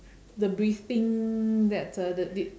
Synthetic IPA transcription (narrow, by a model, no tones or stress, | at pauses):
dəbɹift̪ɪ̃ŋdɛtədədi